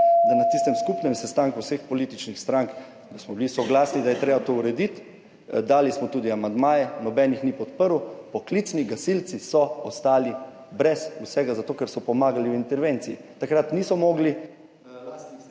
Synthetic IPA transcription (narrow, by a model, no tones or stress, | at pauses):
d̪anat̪ist̪ɛmskupnɛmsɛst̪aŋkuwsexpɔliːt̪it͡ʃnixst̪ɾaŋk | d̪asmɔbilisɔɡlaːsnid̪ajɛt̪ɾeːbat̪ouɾɛd̪it̪ | d̪aːlismɔt̪uːd̪iamand̪maːjɛnɔbɛːnixnipɔt̪pəɾupɔklit̪sniɡasilt̪sisɔɔst̪aːli | bɾɛsusɛɡazat̪oːkɛɾsɔpɔmaːɡaliwint̪ɛɾʋeːnt̪siḭt̪akɾat̪niːsɔmɔːɡli